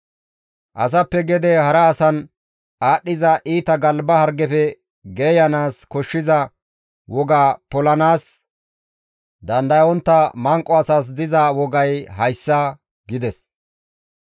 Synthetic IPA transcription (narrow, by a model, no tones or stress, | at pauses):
ʔɐ̰sɐpːɛɡɛd̪ɛhɐɾɐːsɐn | aːɗːɪzɐʔiːt̪ɐɡɐlbɐhɐɾɡɛfɛ | ɡeːjɐnaːskɔʃːɪzɐ | wɔɡaːpɔlɐnaːs | d̪ɐnd̪ɐjɔnt̪ːɐmɐŋkʼːɔɐsaːs̬d̪ɪzɐwɔɡɐjɦɐjsːɐ | ɡɪd̪ɛs